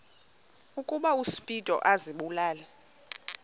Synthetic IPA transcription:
ukʼuɓausi̥pʼitʼɔ̰ʔaziɓulaːlɛ

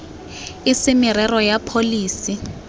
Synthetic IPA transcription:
ɪsɪmɪɾɛrɔjapʰoliːsi

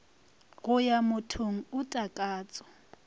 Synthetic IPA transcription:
ɣʊjamʊtʰoŋ̩ʊtʼakʼaːt͡sʼɔ̥

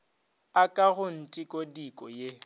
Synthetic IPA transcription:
akʼaɣʊn̩tʼikʼodikʼɔje

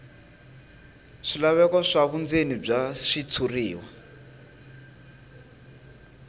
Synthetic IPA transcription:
ʂilaβɛkɔʂaβund͡zenib͡ʐaʂit͡sʰuriːwa

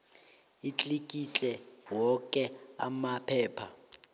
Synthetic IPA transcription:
it͡ɬʼikʼit͡ɬʼɛwɔkʼɛa̰mapʰɛːpʰa

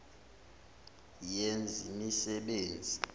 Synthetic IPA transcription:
jend͡zʱimisɛɓeːnd͡zʱi

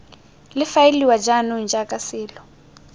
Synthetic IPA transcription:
lɪfajiliwad͡ʒanund͡ʒakʼasɪːlɔ

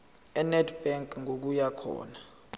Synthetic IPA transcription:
ɛnɛdbɛŋkʼŋok̬ujakʰɔ̰ːna

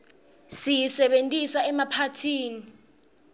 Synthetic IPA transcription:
sijisɛɓentʼisaɛmapʰatʰiːni

